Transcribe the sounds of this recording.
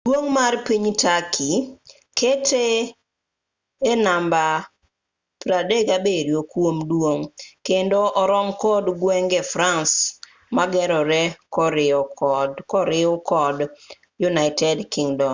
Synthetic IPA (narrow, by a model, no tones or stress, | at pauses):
d̥woŋmarpiɲtakʰi | kʰetʰe | namba | pɾadeɡabeɾiokwomdwoŋkendoʔɔɾɔŋkɔdɡwɛŋɡɛfɾans | maɡɛɾɔɾɛkɔɾɪɔdkɔɾɪʊkɔd | junaɪtɛdkiŋdɔ